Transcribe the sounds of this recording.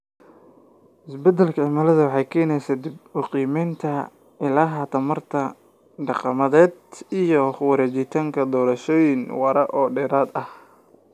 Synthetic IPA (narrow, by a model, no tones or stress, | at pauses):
ʔɪsbɛd̪ɛlkʰɐʕɪmɐlɐðɐwɑħɑjkʰɛːnɛjsaːd̪ɪbmʊqiːmɛjnt̪ʰɐ | ʔɪlaːɦɐt̪ʰɐmɐrt̪ʰɐ | ɖɑqɑmɐðɛːd̪ijɔwɐɾɛːt͡ʃɪt̪ʰaːŋkʰɐd̪ɔːɾɐʃɔːjɪnwɐɾɐʔɔːɖɛːɾaːd̪ɐh